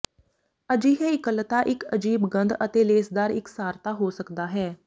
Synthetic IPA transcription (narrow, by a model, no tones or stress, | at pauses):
əd͡ʒiːɦɛːɪkəlt̪aːʔɪkəd͡ʒiːbɡənd̪ət̪eːleːsd̪aːɾɪksaːɾt̪aːɦoːsəkd̪aːɦɛː